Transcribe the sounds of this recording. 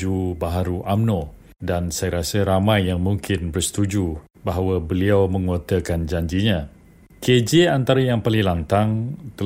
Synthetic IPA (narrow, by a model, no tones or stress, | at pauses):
ubaɦaɾuʔamnõ | dansajaɾasəɾamãjːaŋmuŋkʰɪnbərsə̥t̪ud͡ʒu | baɦawabəliawmə̃ŋot̪əkand͡ʒaɲd͡ʒiɲã | ked͡ʒiant̪aɾajaŋpalilant̪aŋt̪ə